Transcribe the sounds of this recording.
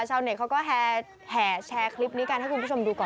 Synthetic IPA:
t͡ɕʰaː˧wni˧˩kʰa˦˥wkɔː˥˩ɦɛː˨˧˩ | hɛː˨˩t͡ɕʰɛː˧kʰli˦˥p̚niː˦˥ka˧nha˥˩ku˧nʰpu˦˥˩o˧mduː˧kɔː˨˩

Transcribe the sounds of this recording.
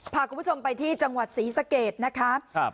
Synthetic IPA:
pʰaː˨˧ku˧˦˥t͡ɕʰo˧mpa˧jt̪ʰiː˥˩t͡ɕa˧ŋwa˨˩t̪̚siː˩˦sa˧keː˨˩t̪̚na˦˥kʰa˦˥˧

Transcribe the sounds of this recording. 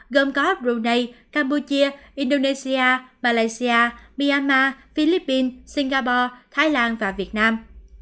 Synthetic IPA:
ɣə˧˩mkɔ˨˦˥p̚zu˨˧˩nə˧jkaː˧mpu˧t͡ɕi˧əʔi˧nɗo˧ne˧si˧aː˧maː˧laː˧jsi˧ʔaː˧mi˧a˧nmaː˧fi˧li˦˥p̚ːi˧nsi˧ŋɣaː˧pɔ˧t̪ʰaː˨˦jlaː˧nvaː˨˩vi˨˩ət̚naː˧m

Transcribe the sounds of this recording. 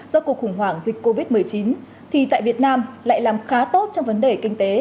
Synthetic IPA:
zɔ˧ku˨˩əkxʊ˧˩ŋ͡mwaː˧˩ŋzï˨˩k̟̚kːo˧vi˦˥t̚mɨ˨˩əjt͡ɕi˨˦n | t̪ʰi˨˩t̪a̰ː˧˨jvi˨˩ət̚naː˧mla̰ː˧˨jlaː˨˩mxaː˨˦t̪o˦˥t̚t͡ɕɔ˧wŋ͡mvə˨˦nɗe˨˩kï˧ŋ̟t̪e˨˦

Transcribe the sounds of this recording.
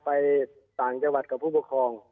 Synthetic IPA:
pa˧j | t̪aː˨˩ŋt͡ɕa˧ŋwa˨˩t̪̚kʰa˧˩pʰuː˥˩pɔ˧˩kʰɔː˧ŋ

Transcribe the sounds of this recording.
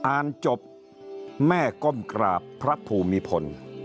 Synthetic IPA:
ʔaː˧nt͡ɕo˨˩p̚ | mɛː˥˩ko˧˥˩mkɾaː˨˩pʰːɾa˦˥pʰuː˧˩miː˧pʰo˧n

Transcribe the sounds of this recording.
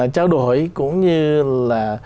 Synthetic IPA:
t͡ɕaː˧wɗo˨˩˨jkʊ̰˧˥ŋ͡mɲɨ˧laː˨˩

